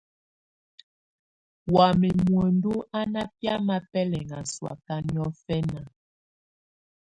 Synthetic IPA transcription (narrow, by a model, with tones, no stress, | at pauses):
wa˨mi˨mwɛ˨ndu˦a˦na˦pja˦ma˦pɛ˦lɛ˨ŋa˨swa̰˨ka˦ni˦ɔ˦fɛ˦na˨